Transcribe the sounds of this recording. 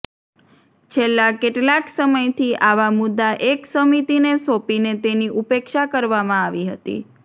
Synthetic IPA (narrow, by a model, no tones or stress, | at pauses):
t͡ʃʰelːakeʈlaksəməjt̪ʰiʔaʋamʊd̪ːaʔeksəmit̪inesopinet̪eniʔupekʃakəɾʋamãaʋiɦə̰t̪ḭ